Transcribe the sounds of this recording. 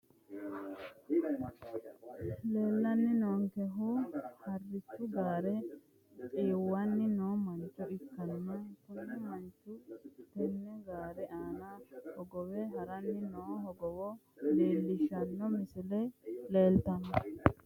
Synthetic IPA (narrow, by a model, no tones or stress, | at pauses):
le̞ːlːɐnːɪnoːŋkɛɦʊhɐrːɪt͡ʃːʊɡaːɾɛ | tʼiːwːɐnːɪnoːmɐnt͡ʃːʊɪkːɐnːɐkʊnːɛmɐnt͡ʃːʊt̪ɛnːɛɡaːɾɛʔaːnɐhɔɡɔwɛɦɐɾɐnːɪnoːɦɔɡɔwɔ | leːlːɪʃɐnːɔmɪsɪlɛleːlt̪ɐnɐ